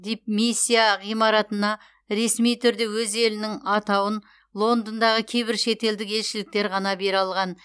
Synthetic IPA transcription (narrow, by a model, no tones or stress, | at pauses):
d̪ep̚misʲːijaʁijmɑɾɑt̪ənɑ | ɾe̞smijt̪ʰʏɾd̪e̞wɵze̞lɪnɪŋɑt̪ɑwən | lˠo̞nd̪ənd̪ɑʁəkʲʰe̞jbɪɾʃe̞t̪e̞ld̪ɪke̞lʃɪlɪk̚t̪e̞ɾʁɑnɑbe̞ɾɑlˠʁɑn